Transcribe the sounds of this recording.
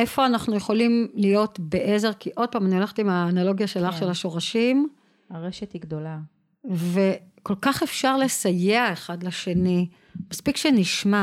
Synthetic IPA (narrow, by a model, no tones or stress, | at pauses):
e̞fo̞anaχnuje̞χo̞limlijo̞tbeʔe̞ze̞ʁkiʔo̞d̚paːmanio̞laχetimaːnalo̞ɡjaʃe̞laχʃe̞laʃo̞ʁaʃim | aʁeʃethiɡd̪ola | ve̞ko̞lkaχefʃaʁle̞sajeaeχadleʃe̞ni | maspikʃeniʃma